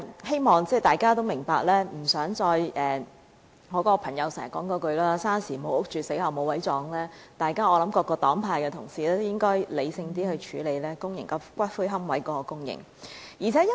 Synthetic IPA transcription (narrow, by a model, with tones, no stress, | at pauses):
he˥jmɔː˨ŋt͡sɛː˥˩t̪aː˨˩jkaː˥t̪o˥wmɪ˨˩ŋpaː˧k̚lɛː˥m̩˨˩sœː˨˥ŋt͡sɔː˧jʔɛː˨ | ŋɔː˨˧˥kɔː˧˥pʰɐ˨˩ŋjɐ˨˧wsɛ̰˨˩˨kɔː˨˥ŋkɔː˧kɵ˧ɥlaː˥saː˥nsiː˨˩mo˨˧wʊ˥k̚t͡ʃyː˨se˨˥jhɐ˨wmo˨˧wɐ˨˥jt͡sɔː˨˥ŋlɛː˥t̪aː˨jkaː˥ɔː˨˧lɐ˨˥mkɔː˧kːɔː˧t̪ɔː˨˥ŋpʰaː˧jkɛː˧t̪ʰʊ˨˩ŋsiː˨˩lɛː˥t̪o˥jɪ˥ŋkɔː˥jle˨˧jsɪ˧ŋt̪̬iː˥hɵ˧t͡ʃʰyː˨˧le˨˧jlɛː˥kʊ˥ŋjɪ˨˩ŋkɐ˧˥kʷɐ˥t̚fuː˥jɦɐ˥mwɐ˨˥jkɔː˨˧˥kɔː˧kʊ˥ŋjɪ̰˨˩ŋ | jiː˨˩t͡sʰɛː˨˥jɐ˥